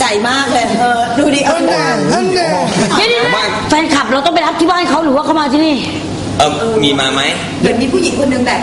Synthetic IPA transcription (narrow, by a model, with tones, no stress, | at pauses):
t͡ɕa˨˩jmaː˥˩k̚lːʔɤː˧˩duː˧˩diː˧˩ʔəː˧˩a˧˨˧t̪ʰiː˧˥niː˧waː˧˩ | fɛː˧nkʰa˨˩p̚ɾa˧wt̪ɔ˥˩ŋp̬a˧jɾa˦˥p̚t̪ʰiː˥˩waː˥˩nha˥˩jkʰa˦˥wɾɯː˨˦waː˥˩kʰa˥˩wmaː˧t̪ʰiː˧˥˩niː˧˥˩ | ʔɤː˧˩miː˧maː˧ma˦˥j | lɯ˧nmiː˧pʰuː˥˩ji˨˩˦ŋkʰo˧nːɯ˧ŋbaɛ˨˩